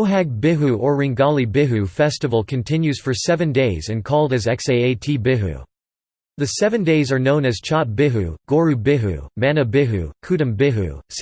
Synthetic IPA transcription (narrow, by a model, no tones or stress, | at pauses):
ʊɦæɡ̚bɪɦuʔə˞ɹɪ̃ŋɡɑlˠibɪɦʉfɛstəvl̩ˠkʰɨ̃ntʰɪ̃njʉz̥fə˞sɛvɨ̃ndeɪzɨ̃nkʰɔlˠdɨzɛkseɪeɪtʰibɪɦṵ | ðɨsɛvɨ̃ndeɪzə˞nõʊ̃nɨz̥t͡ʃʰɑp̚b̥ɪɦʉ̰ɡ̥ɔɹʉbɪɦṵmænɨbɪɦʉ̰kʰʉɾɨ̃mbɪɦṵs